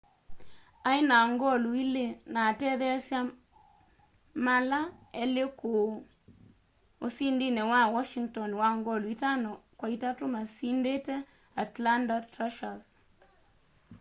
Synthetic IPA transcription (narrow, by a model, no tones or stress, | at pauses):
aɪnaŋɡɔluilenatɛðɛsja | malaɛleko | osindinɛwawɔʃiŋtɔnwaŋɡɔluitanɔkwaitatʊmasindetɛ | atlandatɾaʃas